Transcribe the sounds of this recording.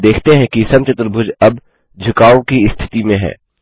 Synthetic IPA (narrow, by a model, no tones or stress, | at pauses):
d̪eːkʰt̪eɦɛ̃kisɐmt͡ʃɐt̪ɾəbʱʊd͡ʒɐb | d͡ʒʱʊkaːokiɪst̪ʰɪ̥t̪imẽɦɛ̰ː